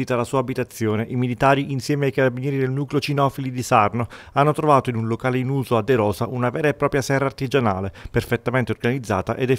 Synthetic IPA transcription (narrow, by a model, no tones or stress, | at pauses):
it̪alasuːaːbit̪at̪sːjoːneʔimilit̪aːɾiʔinsjɛːmeajkaɾabinjɛːɾid̪elnuːkleot͡ʃinɔfilid̪isarnoanːot̪ɾovaːt̪oinunlokaːleinuːzoad̪ːeɾɔːsaʔunavɛːɾaepːɾɔːpɾjasɛrːaːrt̪id͡ʒana̰ːleperfet̪ːament̪eorɡanid̪zːa̰ːt̪aʔed̪ɛ